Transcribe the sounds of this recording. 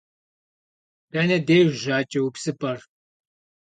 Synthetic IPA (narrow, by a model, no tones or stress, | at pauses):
tɐnɐdejʒaːt͡ʃʼɐwupsɨpʼɐr